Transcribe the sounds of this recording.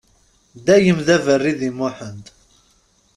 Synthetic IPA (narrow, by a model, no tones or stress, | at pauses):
d̪æjəmðævərːiðimʊħənt̪